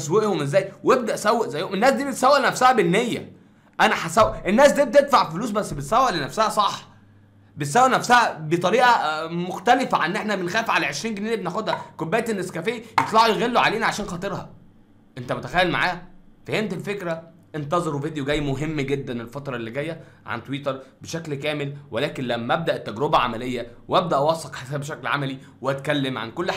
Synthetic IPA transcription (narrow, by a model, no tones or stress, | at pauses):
ʔæsweʔhomʔezːæːjweb̚d̪æʔsæwːæʔzæjːomenːæːsd̪iːbet̪sæwːæʔnæfsæhæbenːejːæ̰ | ʔænæħasæwːæʔʔenːæːsd̪iːb̚et̪ed̪faʕfoluːs̬bæsːbet̪sæwːæʔlenæfsæhæsˤɑħ | bet̪sæwːæʔnæfsæhæbet̪ˤɑɾiːʔɑmoxt̪ælefæʕanːʔeħnæbenxæːfʕalæʕeʃɾiːnɡeniːæbenæxod̪hækobæːjt̪enːeskæfeʔijet̪ˤlɑʕujeɣelːoʕaleːnæʕaʃæːnxɑːt̪ˤeɾˤhɑ̰ | ʔent̪æmot̪æ̥xæjːælmaʕaːhfæhemt̪elfekɾæ | ʔent̪ɑzˤeɾwvid̪joɡæjːmoɦemːɡed̪ːænelfɑt̪ɾˤɑʔelːiɡæjːæʕa̰nt̪wiːt̪ɑɾˤbeʃæklkæːmelwelæːkenlæmːæʔæb̚d̪æʔet̪ːæɡɾebæʕa̰mælejːæwæb̚d̪æʔwɑːsˤɑqħesæːbeʃæklʕa̰mæli | weæt̪kælːemʕa̰nkolː